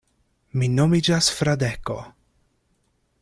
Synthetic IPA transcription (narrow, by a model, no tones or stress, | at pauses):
minomid͡ʒasfɾad̪eko̰